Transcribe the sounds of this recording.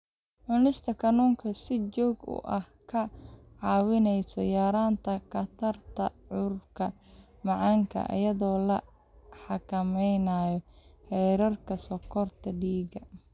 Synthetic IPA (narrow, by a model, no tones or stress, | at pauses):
ʕʊnɪst̪ʰɐkʰɐnuːŋkʰɐsɪt͡ʃɔːɡʊ̰ʔɐhkʰɐ | ʕɑːwɪnɛjsɔjaːɾaːnt̪ʰɐkʰɐt̪ʰɐrt̪ʰɐʕʊrkʰɐ | mɑʕɑŋkʰɐ̰ʔɐ̰jɐðɔːlɐ | ħɑkʰɐmɛjnaːjɔhɛːɾɐrkʰɐsɔkʰɔrt̪ʰɐɖiːɡɐ